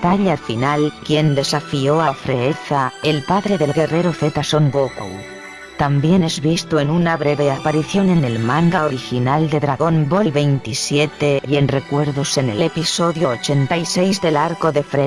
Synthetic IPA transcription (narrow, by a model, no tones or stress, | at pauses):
t̪aʎafinalkje̞nd̪e̞safio̞afɾe̞eθaelpaðɾe̞ðe̞lɣere̞ɾoθe̞t̪aso̞ŋɡoko̰w | t̪ambje̞ne̞zβist̪oe̞nunaβɾe̞βe̞apaɾiθjo̞ne̞ne̞lmãŋɡaoɾixinald̪e̞ðɾaɣo̞mbolβe̞jnt̪isje̞t̪e̞e̞nre̞kwe̞ɾðo̞se̞nelepiso̞ðjoːt͡ʃe̞nt̪ajse̞jzðe̞laɾko̞ðe̞fɾe